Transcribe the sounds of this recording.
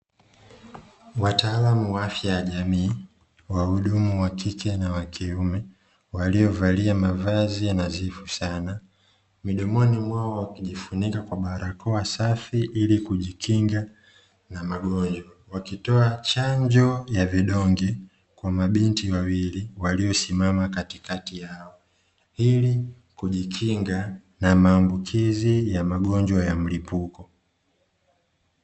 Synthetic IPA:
wataːlamuwafjajaʄamiː | wauɗumuwakʰikɛnawakʰiumɛ | waliɔvaliamavazianazifusana | miɗɔmɔnimwaɔwakiʄifunikakwaɓaɾakɔasafiʔilikuʄikʰiŋɡa | namaɡɔɲd͡ʒwa | wakitɔat͡ʃaɲd͡ʒɔjaviɗɔŋɡɛ | kwamaɓintiwawiliwaliɔsimamakatikatijaɔ | ili | kuʄikʰiŋɡa | namaːmbukʰizijamaɡɔɲd͡ʒwajam̩lipukɔ

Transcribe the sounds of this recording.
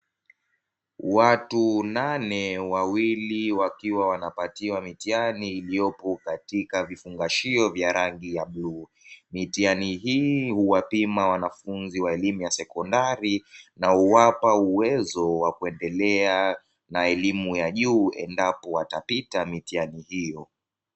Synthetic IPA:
watunanɛwawiliwakiwawanapatiwamitianiːliɔpɔkatikavifuŋɡaʃiɔvjaɾaŋɡijaɓluː | mitianiɦiːhuwapimawanafunziwaɛlimujasɛkɔndaɾinauwapauwɛzɔwakuɛndɛlɛa | naɛlimujaʄuːɛ̰ndapɔwatapitamitianihijɔ

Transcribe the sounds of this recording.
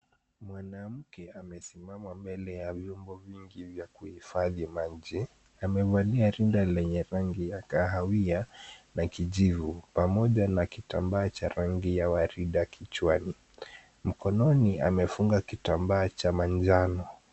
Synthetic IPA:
mwanam̩kɛamɛsimamambɛlɛjavjɔmbɔviŋɡivjakuhifaðimad͡ʒi | amɛvaliaɾindalɛɲɛɾaŋɡijakaɦawianakiʄivupamɔʄanakitambaːt͡ʃaɾaŋɡijawaɾiɗakʰit͡ʃwani | m̩kɔnɔnia̰mɛfuŋɡakitambaːt͡ʃamaɲd͡ʒanɔ

